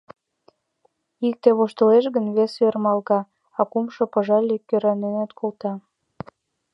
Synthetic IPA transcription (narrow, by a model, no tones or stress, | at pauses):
ik̚t̪eβoʃt̪ə̆leʃɣənβesørmɑlɣɑ | ɑkumʃŏpə̆ʒɑlʲikːøɾɑnenæt̪kʰolt̪ɑ